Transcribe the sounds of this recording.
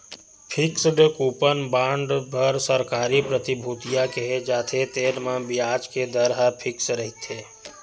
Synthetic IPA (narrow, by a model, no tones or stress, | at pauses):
pʰɪksdəkuːpənbãːɳɖbʱəɾsəɾkaːɾipɾət̪ɪbʱuːt̪ijakeɦed͡ʒaːt̪ʰet̪eːɾmãbiaːd͡ʒked̪əɾɦapʰɪksɾəɦit̪ʰeː